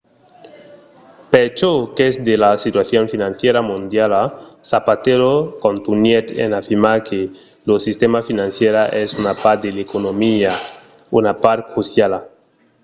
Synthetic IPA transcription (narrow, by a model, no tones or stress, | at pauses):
pet͡ʃokesd̪elasit̪waθjonfinãnθjeɾamũnd̪jalasapat̪eɾokõnt̪unjet̪ḛnafiɾmakʰe | losist̪emafinãnθjeɾaʔesunapaɾt̪d̪elekonomia | unapaɾkuθjala